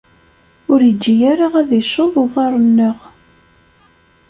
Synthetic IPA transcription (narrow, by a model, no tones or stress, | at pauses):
ʊɾjəd͡ʒːijaɾaʁæðijʃoðˤoðˤɑɾˤənːəʁ